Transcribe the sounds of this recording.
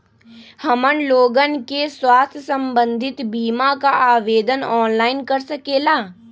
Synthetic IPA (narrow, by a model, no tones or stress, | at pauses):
hɐmənloːɡənkeswaːst̪ʰjsə̃mbə̃nd̪ʱɪt̪biːmakaʔaːʋeːd̪ənɔːnlaːɪnkɐɾsɐkeːlaː